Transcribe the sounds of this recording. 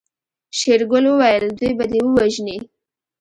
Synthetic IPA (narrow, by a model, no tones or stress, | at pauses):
ʃeɾɡʊlwəwajəld̪ujbad̪ewəwaʒni